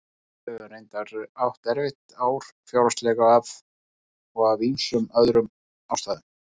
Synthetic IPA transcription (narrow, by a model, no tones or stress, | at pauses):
œʏɾejnt̪aɾawht̪ɛɾvɪht̪awɾ̥fjawɾast̪lɛɣaav | ɔɣavinsʏmœðɾʏm | awst̪aːðʏn